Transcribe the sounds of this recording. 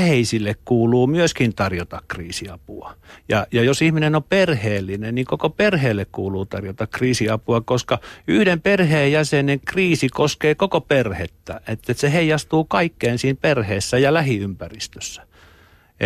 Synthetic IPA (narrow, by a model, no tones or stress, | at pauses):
heisilːekkuːluːmyøskint̪ɑrjot̪ɑkkriːsiɑpṵɑjɑjɑjosihminenoperheːlːinenniŋkokoperheːlːekkuːluːt̪ɑrjot̪ɑkkriːsiɑpuɑkoskɑyhdemperheːjjæseneŋkriːsikoskeːkokoperhet̪ːæ̰et̪ːet̪seheijˑɑst̪uːkɑikːeːnsiːnperheːsːæjɑlæhiympærist̪ø̥sːæ̥ | e